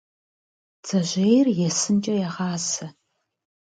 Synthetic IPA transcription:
t͡sʰʼɐʑʷejrjɛsɨnt͡ʃʼɐjɛʁɑːsɐ

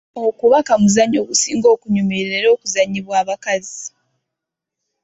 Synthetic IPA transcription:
oːkuβakamuzaɲːoːβusiːŋɡo̞ːkuɲumeɾɾeɾo̞ːkuzaɲːiβwaːβakazi

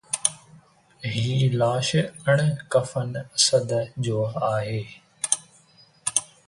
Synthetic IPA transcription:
ɦiːlaːʃəɳ̃kəfənsəd̪d͡ʑoːaːɦeː

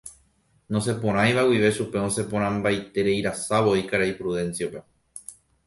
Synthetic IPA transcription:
nõs̬e̞põɾ̃ãj̃ʋawiʋe̞ʃupe̞õ̞se̞põɾ̃ãmbajt̪e̞ɾe̞iɾasaʋo̞ikaɾaipɾuðẽ̞nsiope̞

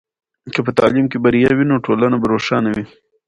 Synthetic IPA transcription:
kəpət̪ɑ̰ːlimkebɐɾijawinoʈoːlanabɐɾoːʃɑːnawi

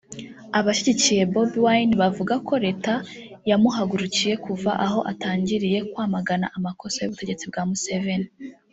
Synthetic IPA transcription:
aβaʃiɟicije̞bobiwajnβavuɡako̞ɾe̞ːtajamuɦaɡuɾucije̞kuva̰ʔaɦo̞ʔa̰taːɲɟiɾije̞kwaːmaɡana̰ʔamako̞sajṵβute̞ɟe̞t͡sib̚ɡaːmuseveni

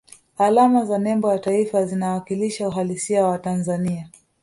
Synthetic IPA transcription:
alamazanɛmbɔjataifazinawakiliʃauɦalisiawatanzania

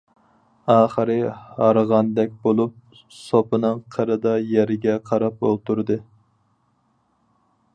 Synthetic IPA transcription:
ɑːχəɾɨhɑɾəʁɑnd̪ɛk̚ʲbolˠup̚ | sopɨnɨŋqʰəɾɨd̪ɑjɛɾɪɡʲɛqʰɑɾɑp̚bolˠt̪ʰuɾd̪ɨ

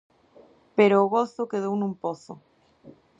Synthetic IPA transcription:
peɾoːɣoθokeð̞ownũmpoθo̰

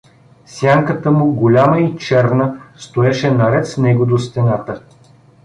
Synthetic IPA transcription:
sjaŋkət̪əmʊɡolʲaməit͡ʃɛɾnəst̪oɛʃɛnɐɾɛt̪snɛɡʊd̪ost̪ɛnat̪ə

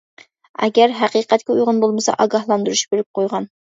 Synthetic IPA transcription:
ɛ̰ɡʲɛɾɦæqiːqɛt̪̚kʲɛujʁʊnbolˠməsɑ̰ʔɑɡɑhlˠɑnd̪uɾuʃbeɾɪp̚qʰojʁɑn

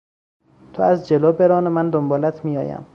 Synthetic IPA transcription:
t̪ʰoæzd͡ʒeloːbeɾɒːnemænd̪ombɒːlæt̪ʰmijɒ̰ːjæ̰m

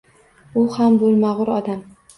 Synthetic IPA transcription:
ʊhambolˠmaʁʊɾɒd̪am

